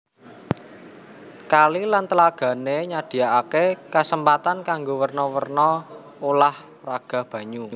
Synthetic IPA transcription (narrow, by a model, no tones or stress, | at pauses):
kalilant̪əlaɡ̥a̤neɲad̥i̤aakekasəmpat̪ankaŋɡowərnɔwərnɔ | olah | raɡ̥a̤hb̥ä̤ɲu